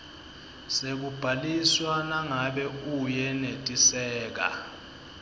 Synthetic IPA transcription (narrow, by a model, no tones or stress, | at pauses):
sek̬ub̥ʱaliswanaŋaɓɛujɛnetʼisɛːk̬a̰